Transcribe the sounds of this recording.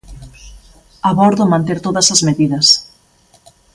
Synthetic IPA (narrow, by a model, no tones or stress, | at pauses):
aβɔɾðʊmɐ̃nt̪eɾt̪oðɐsɐzmeðiðɐs